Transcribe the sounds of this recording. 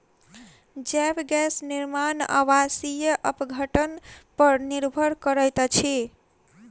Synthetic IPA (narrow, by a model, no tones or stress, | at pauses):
d͡ʒɛbɡɛsniɾmana̰wasijəʔəpɡʱəʈənpəɾniɾbʱəɾkəɾəjt̪t͡ʃʰi